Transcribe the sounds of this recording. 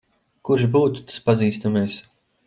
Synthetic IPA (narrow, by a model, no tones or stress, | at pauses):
kuɾʒbuːt̪u̥t̪ḁspaziːst̪ameɛs